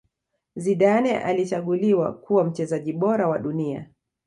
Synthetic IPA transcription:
ziɗanɛʔa̰lit͡ʃaɠuliwa̰kuwam̩t͡ʃɛzaʄiɓɔɾawaɗunia̰

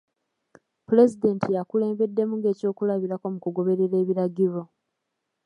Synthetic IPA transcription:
pule̞zide̞ntʰijakule̞ːmbe̞dːe̞muŋɡe̞ːco̞ːkulaβiɾako̞mukuɡo̞βe̞ɾe̞ɾe̞ːβiɾaɟiɾo̞

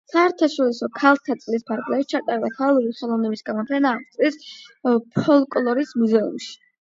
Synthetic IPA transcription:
saɛɾt̪ʰaʃɔɾisɔkʰalˠt̪ʰat̪sʼlispʰaɾɡlɛʃit͡ʃʰat̪ʼaɾɛbak̪ʰalˠuɾiχɛlˠɔvnɛbisɡamɔpʰɛnaːʁt̪ʼlis | pʰɔlˠkʼlˠɔɾismuzɛṵmʃi̥

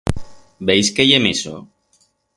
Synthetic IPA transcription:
bejskeʝemiso̰

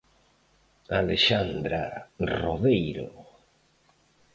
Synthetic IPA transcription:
aleʃand̪ɾa̰roðejɾo̰

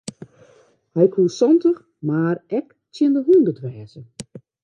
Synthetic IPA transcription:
hɛjkʰusɔntəx | maːɾɛk | tjɪndəɦuːndətʋɛːzə

